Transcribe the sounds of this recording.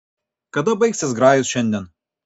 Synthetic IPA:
kɐd̪ɐbɐɪksʲɪsɡɾɑːjʊsʃʲɛnʲd̪ʲɛn

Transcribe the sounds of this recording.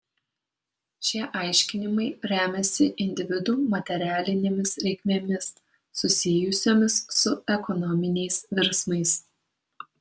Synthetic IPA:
ʃʲiɛʔɑɪʃʲkʲɪnʲɪmɐɪɾʲæːmʲɛsʲɪʔɪnʲd̪ʲɪʋʲɪd̪uːmɐt̪ʲɛɾʲæːlʲɪnʲemʲɪsɾʲɛɪkmʲeːmʲɪsː | ʊsʲɪjʊsʲoːmʲɪsːʊɛkɔnɔmʲɪnʲɛɪsʋʲɪɾsmɐɪs

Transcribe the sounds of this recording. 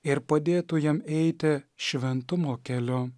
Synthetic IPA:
ɪɾpɐd̪ʲeːt̪ujɛmɛɪt̪ʲɪʃʲʋʲɛnt̪ʊmoːkʲɛlʲoː

